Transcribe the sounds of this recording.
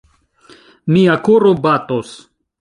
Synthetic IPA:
miakoɾobatos

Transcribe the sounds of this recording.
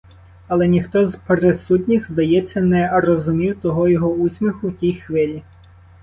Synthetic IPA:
ɐlˠɛnʲixt̪ɔzpeɾesutʲnʲixzd̪ɐjɛt͡sʲːɐnɛrɔzʊmʲiwt̪ɔɦɔjɔɦɔusʲmʲixʊwtʲijxʋɪlʲi

